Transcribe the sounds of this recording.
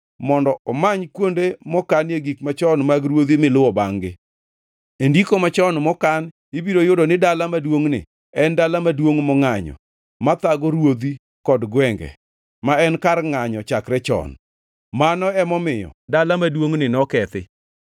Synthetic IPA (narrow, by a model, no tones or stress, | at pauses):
mɔndɔɔmaɲkwondemɔkanjeɡikmat͡ʃɔnmaɡɾwod̪imɪlʊwɔba̰ŋɡɪ | endikomat͡ʃɔnmɔkan | ibiɾojʊdɔnɪdalamadwoŋnɪ̰ | ɛndalamadwoŋmɔŋaɲɔ̰ | mat̪aɡɔɾwod̪i | kɔdɡwɛŋɡɛ̰ | maɛnkarŋaɲɔt͡ʃakɾɛt͡ʃɔ̰n | manɔɛmɔmɪjɔ̰dalamadwoŋnɪnɔkɛt̪ɪ̰